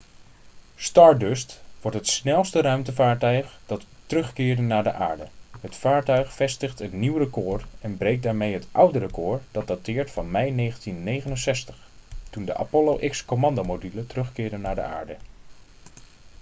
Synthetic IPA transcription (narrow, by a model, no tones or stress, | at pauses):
stɑɹdøstʋɔɹtɦətsnɛlˠstərœɥmtəvaːɹtœɥχd̥ɑtː | ərɵχkɪːɹdənaːɹdə̰ʔa̰ːɹdəɦətfaːɹtœɥχfɛstəχtətniwrəkʊːrɛnbrejk̚daːɹmejɦətʔʌwdərəkʊːɹd̥ɑd̚datɪːɹtfɑnmɛjnejχəntinːejχənənsɛstəχtundə̰ʔa̰polowʔɪkskomɑndomodylətərɵχkɪːɹdənaːɹdə̰ʔa̰ːɹdə